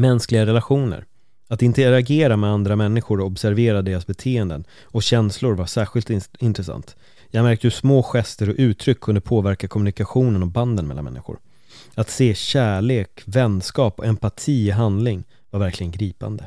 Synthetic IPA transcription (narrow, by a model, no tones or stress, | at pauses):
mɛnsklɪɡaɾɛlaɧuːnə̰ɾ | at̪ɪnt̪əɾaɡeːɾamɛand̪ɾamɛnːɪɧʊɾɔɔbsæɾveːɾad̪eːɾasbɛt̪ʰeːɛnd̪ə̰n | ɔɕɛnslʊɾvaʂæːɧɪlt̪ɪnt̪ɾɛsa̰nt̪ | jɑːɡmæɾk̚t̪əhɵʂmoːɧɛst̪əɾɔʔʉ̟ːt̪ʰɾʏkʰːɵnd̪əpʰoːvæɾkakʰɔmːɵnɪkaɧuːnənɔband̪ənmɛlːanmɛ̰nːɪ̰ɧʊ̰ɾ | at̪seːɕæːɭeːkvɛnskɑːpɔɛmpat̪ʰiːɔɦand̪lɪŋ | vaɾvæɾklɪɡənɡɾiːpa̰nd̪ə